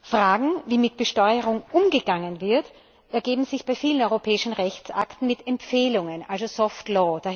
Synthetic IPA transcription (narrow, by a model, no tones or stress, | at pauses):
fʁ̥aːɡŋ̩viːmɪt̚b̥əʃtɔʏəʁʊŋʔʊmɡəɡaŋənvɪɐt | ʔɛɐɡeːbm̩zɪçb̥aɪfiːlənɔʏʁopʰɛːɪʃn̩ʁɛçt͡sʔa̰ktn̩mɪtɛmpfeːlʊŋənʔalzozɔftlɔːd̥a